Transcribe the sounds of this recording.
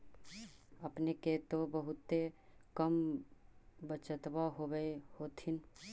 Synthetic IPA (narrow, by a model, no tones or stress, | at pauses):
əpneket̪obəɦʊt̪ːekəm | bət͡ʃət̪waɦobəehoːt̪ʰɪn